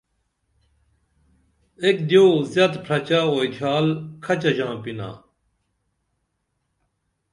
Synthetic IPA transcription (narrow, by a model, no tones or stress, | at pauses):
ekd̪joːzjɐt̪pʰɾɐt͡ɕaoid̪ʰʱjaːlkʰɐt͡ɕɐʑãːpina̰ː